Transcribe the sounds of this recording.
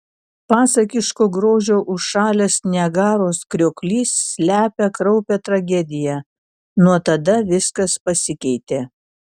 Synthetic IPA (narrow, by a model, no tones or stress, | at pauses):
pɑːsɐkʲɪʃkoːɡɾoːʒʲoːʔʊʃʃɑːlʲesnʲɛɡɑːɾoːskɾʲoːkʲlʲiːsːʲlʲæːpʲɛkɾɒʊpʲɛt̪ɾɐɡʲɛd̪ʲɪjɛ | nuɔt̪ɐd̪ɐʋʲɪskɐspɐsʲɪkʲɛɪt̪ʲeː